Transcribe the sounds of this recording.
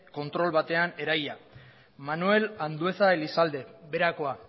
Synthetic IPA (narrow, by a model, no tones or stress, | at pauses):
ko̞nt̪ɾo̞lβat̪e̞ane̞ɾaja | manue̞land̪ue̞θaelisald̪e̞βe̞ɾako̞a